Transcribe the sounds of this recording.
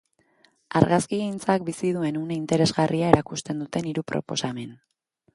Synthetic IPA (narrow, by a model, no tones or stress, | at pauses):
aɾɣaskiɣint͡sak̚bisið̞ue̞nuneint̪e̞ɾe̞zɣariae̞ɾakust̪e̞nd̪ut̪e̞niɾupɾo̞̰po̞̰same̞n